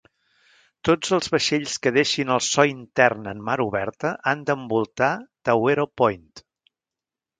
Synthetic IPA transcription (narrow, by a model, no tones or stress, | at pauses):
t̪od͡zəlˠzβəʃeʎskəðeʃinəlˠsɔint̪ɛrnənmaɾuβɛɾt̪əʔand̪əmbulˠt̪at̪əweɾopɔjnt̪